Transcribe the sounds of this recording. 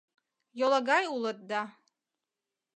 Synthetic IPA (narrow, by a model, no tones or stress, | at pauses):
jolˠaɡajulˠət̪̚d̪a